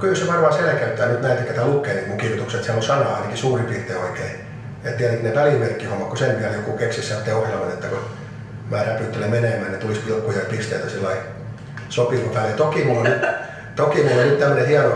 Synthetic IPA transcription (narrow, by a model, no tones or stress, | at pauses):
kylseʋɑrʋɑːˑselekæyt̪ːæːnyt̪næit̪ek̪ːæt̪æːlukːeːˑnikmuŋkirʋit̪ukset̪sæmːosɑnɑɑinekisuːripirt̪eːoikei | et̪t̪iæt̪eŋkneʋæliˑmerkːihomːɑt̪kosempiæljokuˑkeksissæt̪ːeohjɑlmɑt̪et̪ːæko | mæːræpyˑt̪ːelemeneˑmæːnnet̪ulispilkːujɑpist̪eit̪æsilːɑi | sopiˑlkopælːet̪okiˑmulːoyt̪ | t̪okimulːonyt̪t̪æmːønehiɑno